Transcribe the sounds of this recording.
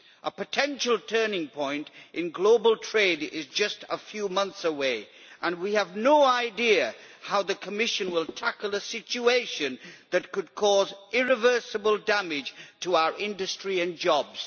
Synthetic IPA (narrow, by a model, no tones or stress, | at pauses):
ʔəpɨtʰɛ̃nʃl̩ˠtʰɜ˞nɪ̃ŋpʰɔ̃ɪ̃ntʔɨ̃nɡloʊbəl̩ˠtʰɹ̥eɪdɪzd͡ʒʌstəfjʉmʌ̃nθsəweɪ | ʔə̃nwiɨvnoʊaɪdiɨhaʊðɨkʰəmɪʃɨ̃nwɪlˠtʰækəl̩ˠəsɪt͡ʃueɪʃɨ̃nðɨt̚kɨd̚kʰɔzʔɪɹɨvɜ˞sɨbəlˠdæmɪd̥ʒ̥tʰəaʊə˞ʔɪ̃ndɨstɹ̥iɨ̃nd͡ʒɑbz̥